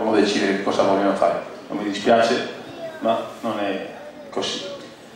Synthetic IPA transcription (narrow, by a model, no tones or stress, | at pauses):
amod̪et͡ʃiːd̪eɾekekːɔːzavɔlːanofa̰ːɾḛno̰mːid̪ispjaːt͡ʃemanonɛ | kːoz̥i